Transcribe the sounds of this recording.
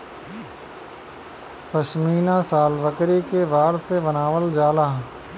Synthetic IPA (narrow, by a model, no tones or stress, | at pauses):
pəʃmiːnasaːlʋəkɾikeʋaːɾsebɐnaːʋəld͡ʒaːlaː